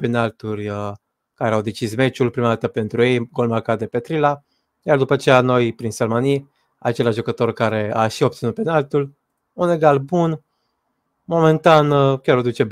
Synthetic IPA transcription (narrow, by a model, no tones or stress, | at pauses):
penalt̪urʲə | kaɾeawd̪e̞t͡ʃisme̞t͡ʃulpɾimad̪at̪əpe̞nt̪ɾuje̞jɡo̞lmakad̪e̞pe̞t̪ɾila | jard̪upət͡ʃejano̞jpɾinsəlmani | a̰t͡ʃe̞laʒʒukət̪o̞rkaɾe̞aʃiopt̪inut̪̚penalt̪ul | une̞ɡalbun | mo̞me̞nt̪ankʲaɾod̪ut͡ʃe̞